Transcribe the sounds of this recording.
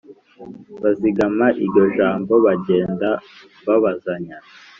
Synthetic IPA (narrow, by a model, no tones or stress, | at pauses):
βaziɡamaʔiɾɟo̞ʒaːmbo̞βaɟe̞ːnda | βaβazaɲa